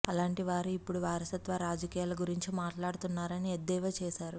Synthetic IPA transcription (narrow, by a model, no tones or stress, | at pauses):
ɐlaːɳʈiʋaːɾuipːuɽuʋaːɾɐsɐt̪ʋɐɾaːd͡ʒɐkijaːlɐɡuɾiɲt͡ʃimaːʈlaːɽut̪unːaːɾɐnied̪ːɛːʋɐt͡ʃɛːʃaːɾu